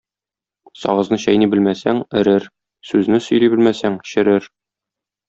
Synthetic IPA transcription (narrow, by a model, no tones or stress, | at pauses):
sɒ̰ʁɤ̆znɤɕæjnibɘlmæsæŋɘ̆ɾɘɾ | sʉznɘsɵ̆jlibɘlmæsæŋɕɘ̆ɾɘɾ